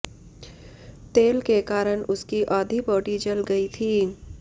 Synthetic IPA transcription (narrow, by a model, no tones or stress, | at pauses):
t̪eːlkekaːɾəñʊskiʔɔːd̪ʱipoːʈid͡ʒɐlɡɐit̪ʰiː